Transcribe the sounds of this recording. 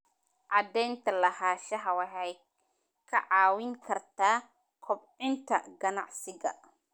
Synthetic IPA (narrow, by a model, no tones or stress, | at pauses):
ʔɑd̪ɛːnt̪ʰɐlɐɦaːʃɐɦɐwɐħɛj | kʰɐʕaːwɪŋkʰɐrt̪ʰaː | kʰɔbʕɪnt̪ʰɐ̰ɡɐna̰ʕsɪɡɐ̰